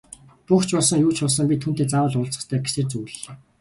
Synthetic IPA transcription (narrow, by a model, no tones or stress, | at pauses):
puxt͡ɕpɔɮsə̆ŋjuːt͡ɕʰɔɮs̬ə̆ŋpʲit̪ʰuːnt̪eːt͡sawə̆ɮʊːɬt͡sə̥̆t̪ʰæːɡesĕːrt͡sujɮeː